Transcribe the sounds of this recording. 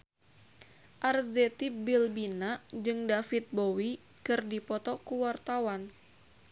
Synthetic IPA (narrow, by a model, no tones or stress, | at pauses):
ʔarzɛt̪ibilbinad͡ʒɨŋdafit̪̚bowi | kɨrdipɔt̪ɔkuwart̪awan